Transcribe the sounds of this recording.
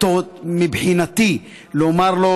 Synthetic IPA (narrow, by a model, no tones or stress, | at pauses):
t̪omibħinat̪i | leomaɾlo